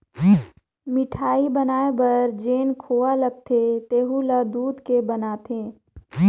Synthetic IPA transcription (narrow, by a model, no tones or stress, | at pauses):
mɪʈʰaːibɐnaːebɐɾd͡ʒeːnkʰoːʋaləɡ̚t̪ʰet̪eːɦulad̪uːd̪kebɐnat̪ʰẽː